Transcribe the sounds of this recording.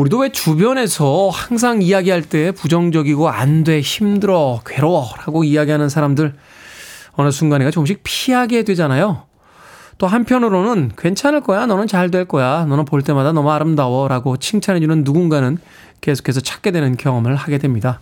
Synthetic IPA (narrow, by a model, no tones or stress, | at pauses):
uɾidowe̞t͡ɕubjʌne̞sʰʌhaŋs̬ʰaŋijaɡiɦaɭt͈e̞pud͡ʑʌŋd͡ʑʌɡiɡoa̰ndwe̞çimdɯɾʌkwe̞ɾowʌɾaɡoiaɡiɦanɯnsʰaɾamdɯɭ | ʌnɯs̬ʰunɡaneɡat͡ɕomɕ̬ʰik̚pʰiɦaɡe̞dwe̞d͡ʑanajo | t͈oɦanpʰjʌnɯɾonɯnkwe̞nt͡ɕʰanɯɭk͈ʌjanʌnɯnt͡ɕaɭdwe̞ɭk͈ʌjanʌnɯnpoɭt͈e̞madanʌmʌaɾɯmdawʌɾaɡot͡ɕʰiŋt͡ɕʰanɦe̞d͡ʑunɯnːuɡunɡanɯn | ke̞sʰo̥kʰe̞sʰʌt͡ɕʰḁk͈e̞dwe̞nɯnkjʌŋʌmɯɭhaɡe̞dwe̞mɲida